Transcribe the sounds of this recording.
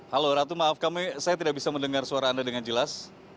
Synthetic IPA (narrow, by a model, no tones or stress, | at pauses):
haloɾat̪̬umaːfkamisajat̪idak̚bisaməndəŋarsuaɾaːndadəŋand͡ʒəlas